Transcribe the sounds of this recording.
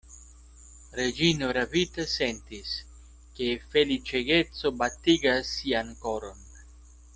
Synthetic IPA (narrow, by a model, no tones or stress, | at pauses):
ɾed͡ʒinoɾavit̪asent̪is | ke̞felit͡ʃeɡet͡so̞bat̪iɡasːiankoɾo̞n